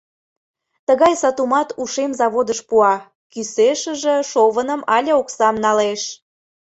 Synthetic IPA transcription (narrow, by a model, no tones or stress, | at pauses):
t̪əɣɑjsɑt̪umɑt̪uʃemzɑβod̪əʃpuɑ | kyseʃəʒĕʃoβənə̆mɑlʲəoksɑmnɑleʃ